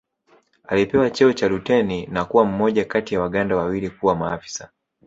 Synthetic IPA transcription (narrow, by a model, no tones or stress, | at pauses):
alipɛwat͡ʃɛɔt͡ʃaɾutɛninakuwam̩mɔʄakatijawaɠandawawilikuwamaafi̥sa